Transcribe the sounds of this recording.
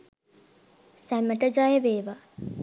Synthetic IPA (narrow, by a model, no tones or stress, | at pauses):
sæməʈəd͡ʒajeʋeːʋa